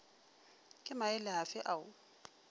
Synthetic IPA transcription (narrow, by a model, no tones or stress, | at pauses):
kʼɪmaɪlɪɦafɪʔaʊ